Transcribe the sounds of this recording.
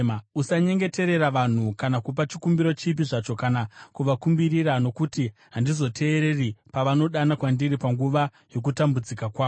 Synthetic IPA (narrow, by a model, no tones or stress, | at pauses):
mausaɲe̞ŋɡe̞te̞ɾe̞ɾaʋan̤ukanakup̬at͡ʃikumbiɾot͡ʃip̬iʐat͡ʃo̞kanakuʋakumbirirano̞kutiɦandizo̞tʰe̞ːɾe̞ripaʋano̞ɗanakwandiripaŋɡuʋa | jo̞k̬utambud͡zikakwaːo